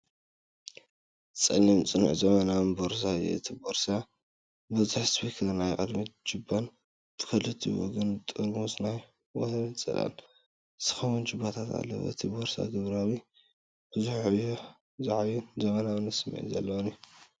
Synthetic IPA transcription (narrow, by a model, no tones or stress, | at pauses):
t͡sʼɐnimt͡sʼɨnʕzɐmɐnaboɾs̬ajɛ̰ɨt̪ʰiboɾsa | bɨzuħspikʰɐɾnajkʼɨd̪mit͡ʃɨbːan | b̥ʰɨ̥kʰɐlɨt̪ʰuwɔ̰ɡɐnt̪ʼɨɾmusnaj | wɔ̰t̪ɐnɨsʼɐ̰la̰n | sɨ̥xɐwunt͡ʃɨbat̪ʰat̪ʰa̰lːɐ̰wɐ̰ɨt̪ʰiboɾsa̰ɡɨβɾawi | b̥ɨzuħħujo | zaʕβuzɐmɐnawɨnɐsɨm̰ːʕḭzɐ̰lːɐwonju